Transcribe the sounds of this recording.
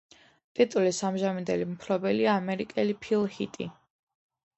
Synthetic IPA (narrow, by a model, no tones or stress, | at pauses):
t̪ʼit̪ʼulisamʒamind̪ɛlimpʰɾɔbɛliaːmɛɾikʼɛlipʰilˠhit̪ʼi